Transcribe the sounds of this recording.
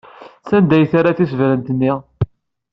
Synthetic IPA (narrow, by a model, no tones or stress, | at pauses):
sænd̪æjθaɾaθisvɾənt̪ənːi